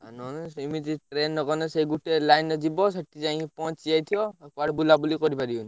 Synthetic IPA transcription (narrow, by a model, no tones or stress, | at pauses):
a̰nɔnimitiʈɾenːɔkɔnɔsejɡuʈɛlajnːɔd͡ʒibɔsɔʈːid͡ʒãĩpɔ̃t͡ʃijajt̪ʰijɔkwaʈbulabulikɔɾipaɾiun